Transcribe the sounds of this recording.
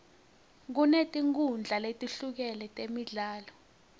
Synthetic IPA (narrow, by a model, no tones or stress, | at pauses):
k̬unetʼiŋk̬und͡ɮʱaletʼiɬuk̬ɛlɛtʼemiɮaːlɔ